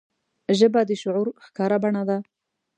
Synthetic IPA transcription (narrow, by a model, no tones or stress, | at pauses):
ʒəbad̪əʃʊʕuɾxkɑɾabaɳad̪a